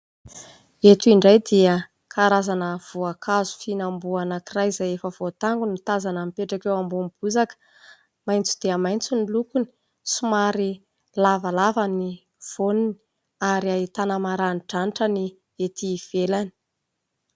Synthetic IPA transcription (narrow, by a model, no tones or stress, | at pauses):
et̪uiɳɖ͡ʐajd̪iə | kʰaɾazanəv̥uakʰazu̥finambuanakirajizajefəv̥ot̪aŋɡunut̪azanamipeʈ͡ʂakewambumib̥uzakə̥ | majnt͡su̥d̪̥eəmajnt͡sunilukuni̥ | sumaɾi | lavalavani | v̥onini̥ | aɾiait̪anamaɾaniʈ͡ʂaniʈ͡ʂəni | et̪iv̥elani̥